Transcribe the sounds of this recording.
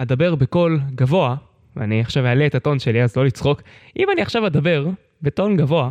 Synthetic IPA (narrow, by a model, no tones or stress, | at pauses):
ad̪abe̞ʁbeko̞lɡavo̞a | veaniaχʃavealeet̪ato̞nʃe̞liazlo̞lit͡sχo̞kʔimaniaχʃavad̪abe̞ʁ | beto̞nɡavo̞a